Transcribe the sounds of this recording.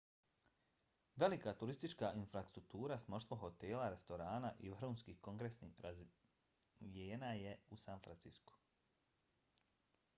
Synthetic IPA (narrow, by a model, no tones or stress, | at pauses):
ʋe̞likat̪uɾist̪it͡ʃkaʔinfɾast̪ɾuk̚t̪uːɾasmo̞ʃt̪ʋoɦo̞t̪e̞ːlaɾe̞st̪o̞ɾaːnaʔihuːnskiːhko̞ŋɡɾesniɾaz | ijeːnaje̞usanfɾant̪sisku̥